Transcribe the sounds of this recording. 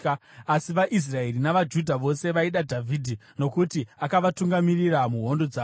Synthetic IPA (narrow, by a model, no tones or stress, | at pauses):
asiʋaʔis̬rae̞rinaʋad͡ʒudʱaʋo̞se̞ʋaiɗadʱavʱidʱino̞kutiakaʋatuŋɡamiriramuɦo̞ndo̞d͡za